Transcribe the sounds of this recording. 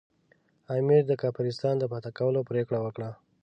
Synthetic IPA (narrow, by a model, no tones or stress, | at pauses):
amiɾd̪əkafanɪst̪ɑnd̪əpɑt̪akawəlopɾekɽawəkɽa